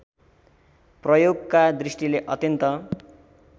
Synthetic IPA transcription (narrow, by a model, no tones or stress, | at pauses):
prʌjoɡkad̪risʈileʔʌt̪jʌnt̪ʌ